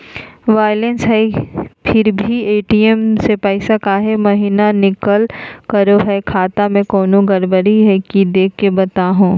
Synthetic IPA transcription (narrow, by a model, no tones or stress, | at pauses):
ʋaːjlensɦɛpʰɪɾbʱieːʈiɛmsepɛːsakaɦɛmɐɦiːnanɪkəlkɐɾoɦɛkʰaːt̪amẽkoːnõɡɐɾbəɾiɦɛkid̪eːkʰːebɐt̪aɦũː